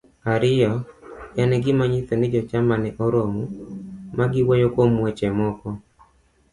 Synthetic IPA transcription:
aɾɪjɔjanɛɡɪmaɲɪt̪ɛnɪd͡ʒɔt͡ʃamanɛʔɔɾomumaɡɪwɔjokomwɛt͡ʃɛmɔkɔ

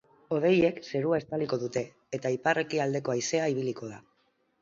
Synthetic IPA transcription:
o̞ð̞e̞je̞kse̞ɾuae̞st̪aliko̞ðut̪e̞ː | t̪aipare̞kiald̪e̞ko̞ajse̞aiβ̞iliko̞ð̞a

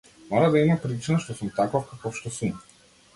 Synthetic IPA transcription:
mɔɾad̪aimapɾit͡ʃinaʃt̪ɔsumt̪akɔfkakɔfʃt̪ɔsum

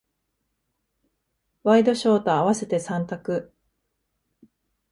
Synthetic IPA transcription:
βaid̪o̞ɕo̞ːt̪o̞aβase̞t̪e̞sãnt̪akɯ

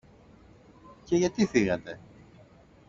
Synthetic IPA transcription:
ce̞ʝɐt̪iθiɣɐt̪e̞

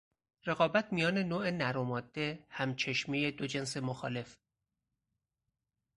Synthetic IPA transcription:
re̞ɣɒːbæt̪ʰmijɒːne̞noːenæɾomɒːd̪̥ːe̞hæmt͡ʃʰe̞ʃmijed̪o̞d͡ʒe̞ns̬e̞moxɒ̰ːle̞f

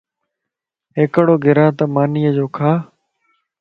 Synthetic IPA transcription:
ɦeːkəɽoːɡʱɪɾãːt̪əmaːniːəd͡ʒoːkʰaː

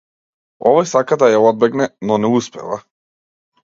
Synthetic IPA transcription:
ɔvɔjsakad̪ajaɔd̪̚bɛɡnɛnɔnɛuspɛ̰va̰

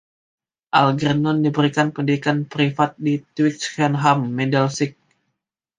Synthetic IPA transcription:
ʔalɡɾənɔndibəɾikankəndidikanpɾifat̪̚dit̪wikskɛnɦamːedɛlsik̚

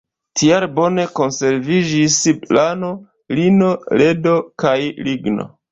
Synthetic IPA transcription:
tʰiaɾbo̞ne̞ko̞nse̞ɾvid͡ʒisiplano̞ | lino̞le̞do̞kajliɡno̞̰

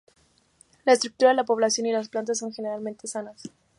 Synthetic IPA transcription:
laest̪ɾuk̚t̪uɾaðelapo̞β̞lasjo̞nilasplant̪asːo̞ŋxene̞ɾalmẽnt̪e̞sanas

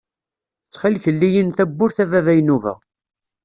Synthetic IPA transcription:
t͡sːχiliθəlːijənθæbːʊɾθævævæjnuvæ̰

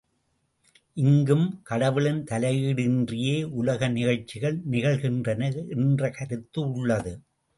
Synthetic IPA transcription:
ʔɪŋɡɯmkɐɽɐʋɪɭɪnt̪ɐlɐɪjiɽɪndrɪjeːʔʊlɐɣɐnɪɣɐɭt͡ʃːɪɣɐɭnɪɣɐɭɣɪndrɐnɐʔɛndrɐkɐɾɯt̪ːɯʊɭːɐðɯ

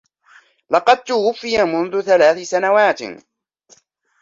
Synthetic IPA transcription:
lɑqɑd̪̚t̪ʊwʊfːɪjamʊnðʊθalaːθɪsanawaːt̪

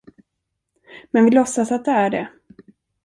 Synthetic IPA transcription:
mɛnvɪlɔsːasat̪̚d̪ɛæɖɛ

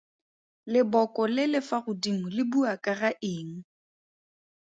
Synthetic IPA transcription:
lɪbɔkʼɔlɪlɪfarʊdimʊlɪbuakʼaraʔɪːŋ̩

